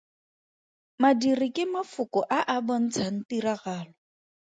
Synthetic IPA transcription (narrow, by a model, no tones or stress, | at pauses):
madirɪkʼɪmafʊkɔʔaʔabɔn̩t͡sʰan̩tiraɣaːlɔ